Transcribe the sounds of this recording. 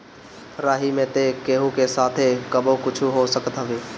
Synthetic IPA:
ɾaːɦimẽt̪ekeːɦũkesaːt̪ʰekəbokʊt͡ʃʰuɦosəkət̪ɦəʋeː

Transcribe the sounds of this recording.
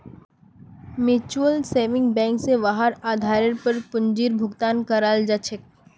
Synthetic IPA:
mɪt͡ʃuəlseːʋɪ̃ŋɡ̚bɛ̃ːŋkseʋaɦaɾaːd̪ʱaːɾəɾpəɾpʊɲd͡ʒiːɾbʱʊɡt̪aːnkɐɾaːld͡ʒat͡ʃʰɪk̚

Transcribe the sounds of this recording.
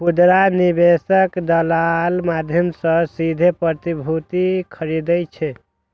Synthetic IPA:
pud̪ɾanibesəkd̪əlalmad̪ʱjəmsə̃sid̪ʱepɾət̪ibʱut̪ikʰəɾid̪əjt͡ʃʰɛ

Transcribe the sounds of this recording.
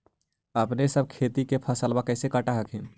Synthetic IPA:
əpnesəb̚kʰet̪ikepʰəsəlbakəɪsekəʈaɦəkɦi

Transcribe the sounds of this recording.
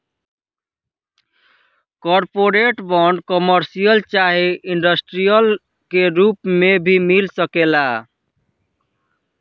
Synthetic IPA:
kɔɾpoɾeʈbɔɳɖkɔməɾsijəlt͡ʃaɦiiɳɖʌsʈɾijəl | keɾupmebʱimilsəkela

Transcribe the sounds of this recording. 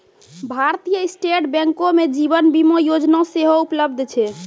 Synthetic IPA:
bʱaɾt̪ijəisʈeʈbɛ̃ŋkomed͡ʒibənbimojod͡ʒnaseɦoupləbd̪ʱt͡ʃʰɛ

